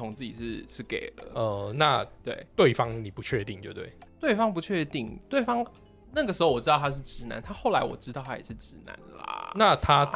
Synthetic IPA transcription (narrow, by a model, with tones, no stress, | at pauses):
o˧˥ŋt͡sɹ̩˥˩t͡ɕḭ˨˩ʂɻ̩˥˩ʂɻ̩˥˩ke˨˩ɪlə̰˦ə˩na˥˨t̪we˥˩ɪt̪we˥˩ɪfɑ˦ŋni˨˩pu˨˦t͡ɕʰɥɛ˥˧t̪i˥˧ŋt͡ɕjo̰˧t̪we˥˩ɪt̪we˥˩ɪfɑ˥ŋp̬u˨˦t͡ɕʰɥɛ˥˧t̪i˥˩ŋt̪we˥˩ɪfɑ˥ŋ | na˥˩ɡə˩ʂ̬ɻ̩˧˥o˩ʊwɔ˨˩ʈ͡ʂɻ̩˥ɑ˥˨t̪ʰa˥ʂ̬ɻ̩˥˩ʈ͡ʂɻ̩˧˥na̰˧˦nt̪ʰa˥xo˥˩ʊla˧˥ɪwɔ̰˨˩ʈ͡ʂɻ̩˥t̪ɑ˥˩ʊt̪ʰa˥jɛ̰˨˩ʂɻ̩˥˩ʈ͡ʂɻ̩˧˥na̰˧˦nlɐ̰na˥˨t̪ʰa˦